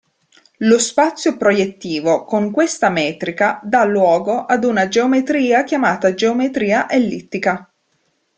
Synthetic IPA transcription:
lospat̪sːjopɾojet̪ːiːvokoŋkwest̪amɛːt̪ɾikad̪alːwɔːɡoʔad̪unad͡ʒeomet̪ɾiːak̟jamaːt̪ad͡ʒeomet̪ɾiːaʔelːit̪ːika

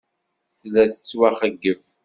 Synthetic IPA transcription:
θlæθət͡sːwæχəɡːəv

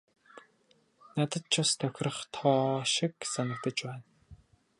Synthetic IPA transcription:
nat̪ə̆t̪̚t͡ɕʰʊst̪ʰœxʲrə̆χt̪ʰɔːʃɪ̆ksanə̆k̚t̪ə̆t͡ɕpæːn

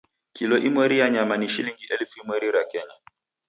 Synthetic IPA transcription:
kilɔʔimwɛɾijaɲamaniʃiliŋɡiʔɛlfuimwɛɾiɾakɛɲa

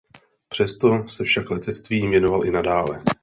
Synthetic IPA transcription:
pr̝̥ɛst̪o̞sɛfʃaklɛt̪ɛt͡st̪viːmvjɛno̞valʔɪnadaːlɛ

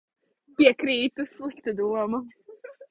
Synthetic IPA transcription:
pʲiɛkɾiːt̪uslˠikt̪ɨd̪uɔmɐ

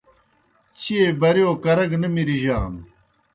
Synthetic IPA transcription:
t͡ɕʰiebɐɾjoːkɐɾɐɡnɐmiɾiʑaːm

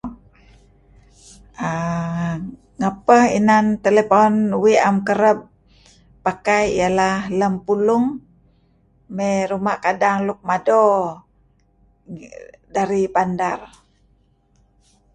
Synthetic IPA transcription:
ə | ŋapəhḭnant̪elepɔnwiʔamkəɾəp̚ː | akajijalahləmpulʊŋ | meɾumaʔkadaŋluk̚mado | daɾipandar

